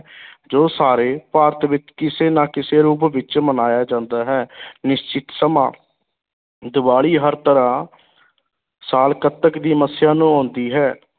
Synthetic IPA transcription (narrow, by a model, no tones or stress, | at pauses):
d͡ʒoːsaːɾeːpaːɾt̪ʋɪt͡ʃkɪseːnãːkɪseːɾuːpʋɪt͡ʃmənaːjaːd͡ʒãːnd̪aːɦɛːnɪʃt͡ʃɪt̪səmã̰ː | d̪ɪbaːɭiːɦəɾt̪əɾãː | saːlkət̪ːəkd̪iːməsɪjãːnũːɔ̃ːnd̪iːɦɛː